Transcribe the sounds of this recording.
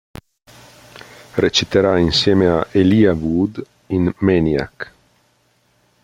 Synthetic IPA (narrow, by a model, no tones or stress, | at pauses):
ret͡ʃit̪eɾainsjeːmeaʔeliavud̪ | inmenia̰k